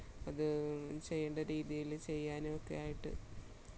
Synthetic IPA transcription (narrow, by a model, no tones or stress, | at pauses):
ɐðɨt͡ɕe̞jːeːɳɖɐɾiːðjijilt͡ɕe̞jːaːnokːḛjaːjiʈːɨ̰